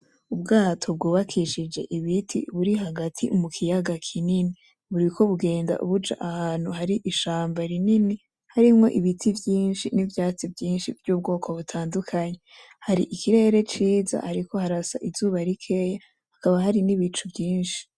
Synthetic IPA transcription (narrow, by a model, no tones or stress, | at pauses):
ubɡaːtʰo̞b̚ɡuːβakʰiʃid͡ʒe̞ʔiβitʰḭβuɾiɦaɡatʰḭmukʰijaɡakʰinini | βuɾikʰo̞βuɡe̞ːnda̰ʔṵβud͡ʒa̰ʔahaːn̥huhaɾiʔiʃaːmbaɾinini | haɾimŋo̞ʔiβitʰivjiːnʃinivjaːt͡sivjiːnʃivjuːb̚ɡo̞ːkʰo̞βutʰaːndukʰaɲe̞ | haɾiʔikʰiɾe̞ɾe̞t͡ʃiːza̰haɾiko̞haɾasa̰ʔizuːβaɾikʰe̞ja | hakaβaɦaɾiniβit͡ʃubjiːnʃi̥